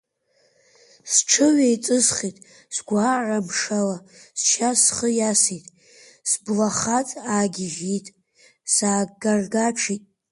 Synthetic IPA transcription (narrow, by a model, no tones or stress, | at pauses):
sʈ͡ʂʰɨɥejt͡sʼɨzχitʼ | sɡʷaːʕʷamʂalast͡ʃʰasχəjasitʼ | sblaχat͡sʼaːɡʲɪʒitʼ | saːɡarɡaʈ͡ʂʰitʼ